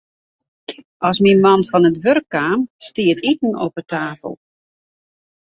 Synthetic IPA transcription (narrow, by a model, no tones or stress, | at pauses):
ʔɑsminmɑnfɔnətʋørkːaːmstiətʰitn̩ɔpətʰaːfə̰lˠ